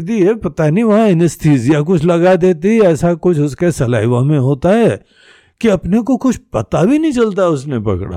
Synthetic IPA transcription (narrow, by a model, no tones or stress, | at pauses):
d̪iɦɛpɐt̪aniʋɐɦãɪnɪst̪ʰiːzijak̬ʊt͡ʃʰlɐɡad̪eːt̪iɦɛːsakʊt͡ʃʰʊskesɐla̰ːɪʋamẽɦoːt̪aɦɛː | kiɐpnek̬okʊt͡ʃʰpɐt̪abʱinɐ̃ĩt͡ʃɐlt̪aɦɛʊsnepɐ̰kɽa̰ː